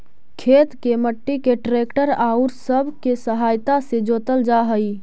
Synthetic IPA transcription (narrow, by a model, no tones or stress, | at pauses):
kʰet̪keməʈːikeʈɾekʈəɾaʊɾsəbʱkesəɦajt̪ased͡ʒoːt̪əld͡ʒaɦəi